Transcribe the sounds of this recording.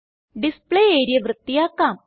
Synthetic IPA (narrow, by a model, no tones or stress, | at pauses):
ɖispɭejeːjɾijɐʋrɨt̪ːijaːkːaːm